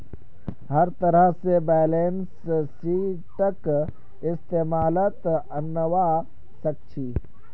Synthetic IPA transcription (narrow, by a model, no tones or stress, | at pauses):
hɐɾt̪ɐɾəɦsebɛːleːns | si | ʈək | ɪst̪eːmaːlət̪ɐnːəʋa | sɐk̚t͡ʃʰiː